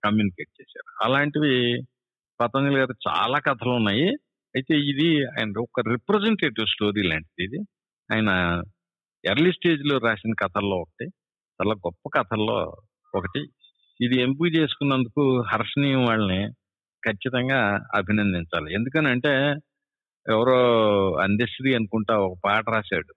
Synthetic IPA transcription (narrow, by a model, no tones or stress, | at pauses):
kɐmjuːnike̞ːʈ̚t͡ʃeːsa̰ːɾuɐ̰laːɳʈid̪i | pɐt̪ɐnilɡaːɾut͡ʃa̰ːlaːkɐt̪ʰɐlunːaːji | ɐjit̪e̞ːid̪iaːjɐnɐɔkːɐɾipɾɐzeɳʈe̞ːʈiʋsʈo̞ːɾiːla̰ːɳʈid̪id̪i | a̰ːjɐnɐ | eɾlisʈe̞ːd͡ʒloːɾaːsinɐkɐt̪ʰɐlːo̞ːɔkɐ̥ʈi | t͡ʃɐlaːɡɔpːɐkɐt̪ʰɐlːo̞̰ː | ɔkɐʈi | id̪iempiɡut͡ʃe̞ːsu̥kunːɐnd̪ukuɦɐɾʂɐnijɐmʋaːɭːɐni | kʰɐt͡ʃːit̪ɐŋɡaːɐ̰bʱinɐnd̪iɲt͡ʃa̰ːlie̞nd̪uk̬ɐnɐɳʈe̞ː | ɛʋɐɾoːɐ̰nd̪ɐsʈɾiɐnukuɳʈaːɔkɐpaːʈɐɾaːʃa̰ːɽu